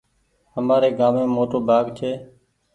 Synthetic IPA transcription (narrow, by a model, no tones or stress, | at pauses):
ɦəmaːɾeːɡaːmẽːmoːʈoːbʱaːɡt͡ʃʰeː